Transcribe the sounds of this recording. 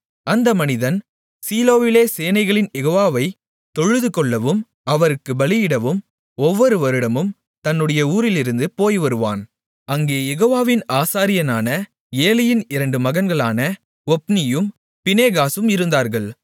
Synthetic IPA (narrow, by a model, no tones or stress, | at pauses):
ɐnd̪ɐmɐnɪðɐn | siːloːʋɪleːseːnɐɪɣɐɭɪnjɛɣoːʋaːʋɐɪ | t̪ɔɻɯðɯkɔɭːɐʋɯm | ɐʋɐɾɯkːɯbɐlɪjɪɽɐʋɯm | ɔʋːɔɾɯʋɐɾɯɽɐmɯm | t̪ɐnːɯɽɐjɐuːɾɪlɪɾɯnd̪ɯpoːjʋɐɾɯʋa̰ːn | ɐŋɡeːjɛɣoːʋaːʋɪnaːsaːɾɪjɐnaːnɐ | eːlɪjɪnɪɾɐɳɖɯmɐɣɐnɡɐɭaːnɐ | ɔpnɪjɯm | pɪneːɣaːsɯmɪɾɯnd̪aːɾɣɐɭ